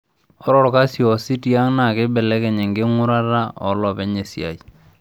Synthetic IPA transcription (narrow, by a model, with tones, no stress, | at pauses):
ɔ˦ɾɔ˦˨ɾka˦sjɔ˨si˦ti˦a˦ŋna˨kɪ˦bɛ˨lɛ˦kɛ˨ɲɛ˨ŋɡɪ˦ŋʊ˦ɾa˦ɾa˦ɔ̰˨lɔ˨pɛ˦ɲe˨sja̰˨i˨